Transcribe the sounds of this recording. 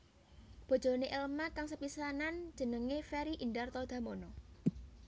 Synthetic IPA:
b̥o̤dd͡ʒ̥o̤neʔelmakaŋsəpisanand̥d͡ʒ̥ə̤nəŋefɛɾiʔinɖart̪ɔd̪̥ä̤monɔ

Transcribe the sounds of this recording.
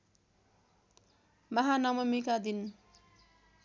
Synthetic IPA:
mʌɦanʌmʌmikad̪in

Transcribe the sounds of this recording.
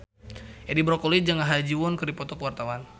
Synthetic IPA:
edibɾɔkɔlid͡ʒaŋaɦad͡ʒiwɔnkɨrdipɔt̪ɔkəwart̪awan

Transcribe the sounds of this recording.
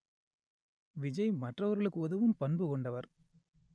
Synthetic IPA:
ʋɪd͡ʒɐɪmɐʈrɐʋɐɾɣɐɭɯkːɯɔðɐʋɯmpɐnbɯkɔɳɖɐʋɐɾ

